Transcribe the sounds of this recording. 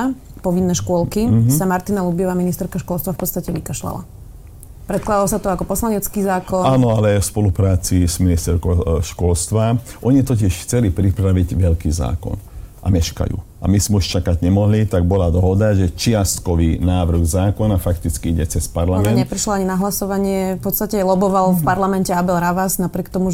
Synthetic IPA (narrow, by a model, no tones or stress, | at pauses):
pɔʋinːɛʃkʊɔlkisamaɾt̪inalubjɛʋaminist̪ɛɾkaʃkʊɔlst̪ʋafpɔtt͡sst̪acɛʋikaʃla̰la̰ | pɾɛt̪̚klad̪alɔsat̪ɔakɔpɔslaɲɛt͡skiːzaːkɔnaːnɔalɛfspɔlupɾaːt͡siz̥minist̪ɛɾkɔʃkʊɔlst̪ʋaʔɔɲit̪ɔcɪɛʃxt͡sɛlipɾipɾaʋiɟʋɛʎkiːza̰ːkɔ̰nʔa̰mɛʃka̰jṵ | a̰mizmɛuʃt͡ʃakaɟɲɛmɔɦlit̪aɡ̚bɔlad̪ɔɦɔd̪aʒɛt͡ʃɪast̪kɔʋiːnaːʋr̩ɣzaːkɔnafakt̪it͡skiiɟɛt͡sɛspaɾlamɛnɲtɛpɾiʃlɔaɲinaɦlasɔʋaɲɪɛfpɔt̪st̪acɛlɔbɔʋalfpaɾlamɛncɛabɛlɾaʋaznapɾɪɛk̚t̪ɔmu